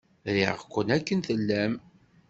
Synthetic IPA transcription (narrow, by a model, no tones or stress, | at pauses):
ɾḭʁkʷːənækːənθəlːæm